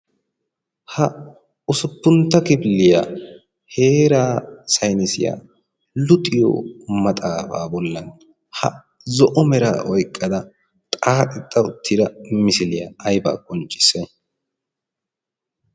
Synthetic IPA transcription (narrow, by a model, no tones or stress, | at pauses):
hɐ | ʊsʊpːʊnt̪ːɐkɪbɪlːɪjaː | heːɾaːsɐjnɪsɪ̰ja̰ː | lʊt̪ʼɪjɔ̰mɐt̪ʼaːba̰ːbɔlːɐn | hɐ̰ | zɔʔɔmɛɾa̰ʔɔjkʼːɐd̪ɐ | t̪ʼaːt̪ʼɪt̪ʼːɐʊt̪ʰːɪd̪ɐmɪsɪlɪjaʔːjba̰ːkʼɔnt͡ʃʼːɪ̥sɛ